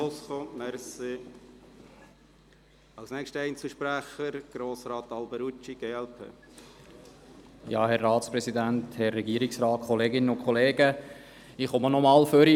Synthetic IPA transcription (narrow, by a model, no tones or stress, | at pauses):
osχomɛɾse | ɑwsnɛkʃtəɛjnt͡suʃpɾæχəɾɡ̥ɾoːsɾɑːt̪ɑlbəɾut͡ʃiɡ̥eːɛlpʰḛː | jɑ̰ːhɛrːɑːtspɾɛsid̪ænthɛrːɛɡiːəɾɪksɾɑːt̚kʰɔleːɡɪnəʊnkʰχɔleːɡə | ɪχɔmənɔmɑːlføɾi